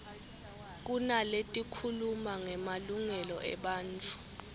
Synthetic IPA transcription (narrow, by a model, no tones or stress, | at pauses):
k̬unaletʼikʰulumaŋɛmaluŋɛlɔʔɛ̰ɓaːnt͡fʰʼu̥